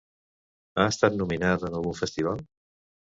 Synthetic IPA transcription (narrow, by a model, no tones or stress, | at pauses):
aəst̪at̪numinat̪ənəlˠɣuɱfəst̪iβ̞alˠ